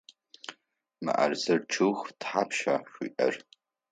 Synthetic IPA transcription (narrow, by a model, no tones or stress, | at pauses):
mɨ̰ʔa̰rzɐrʈ͡ʂʰɨxtħaːpʰʃaːɕʷʊʔɐ̰r